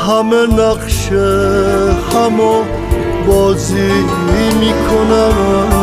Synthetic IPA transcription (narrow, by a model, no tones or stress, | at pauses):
hamenaqʃe | hamɔ | bɔzi | imikʰonan